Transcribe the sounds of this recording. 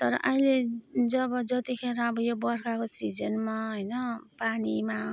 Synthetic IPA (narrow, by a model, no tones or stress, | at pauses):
t̪ʌɾʌ̰ʔʌĩled͡zʌbʌd͡zʌt̪ikʰeɾãʌbʌjobʌrkakosid͡zʌnmaɦʌjnʌpanima